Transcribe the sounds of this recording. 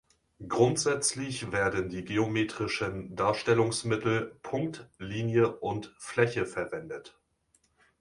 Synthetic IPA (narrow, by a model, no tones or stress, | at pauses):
ɡʁʊntz̥ɛt͡slɪçv̥eːɐdəndiːɡeomeːtʁ̥ɪʃəndaːɐʃtɛlʊŋsmɪtl̩pʰʊŋktliːnjəʔʊntflɛçəfɛɐvɛndət